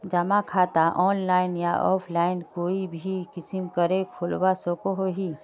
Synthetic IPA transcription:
d͡ʒɐmakʰaːt̪aʔɔːnlaːɪnja̰ʔɔ̰ːpʰlaːɪnkoːibʱikɪsimkəɾekʰʊlbasokoɦoɦi

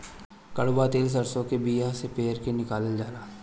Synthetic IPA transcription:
kɐɽbat̪eːls̬ɐɾsõkebiːjasepeːəɾkenɪkaːlɪld͡ʒaːɾaː

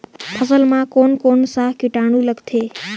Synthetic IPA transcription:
pʰəsəlmãkonkonsaɦkiʈaɽ̃ũləkt̪ʰe

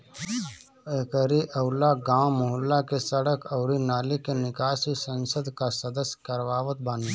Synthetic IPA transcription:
ekəɾiʔɐʊlaɡãːwmʊɦʊlːakesəɽəkəʊɾinaːlikenɪkaːʃisə̃nsəd̪ʱkasɐd̪əsjkɐɾʋaːʋət̪̚baːni

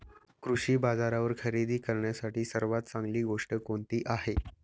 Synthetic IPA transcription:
kɾuɕiːbad͡zaɾaʋəɾkʰəɾid̪ʱiːkəɾɳjasaʈiːsəɾʋat̪t͡sãŋɡliːɡoʂʈəkoɳt̪iːʔaɦe

